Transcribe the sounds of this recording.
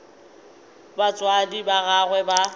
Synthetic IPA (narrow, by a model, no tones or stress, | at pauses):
bat͡sʼwadibaɣaɣwɛba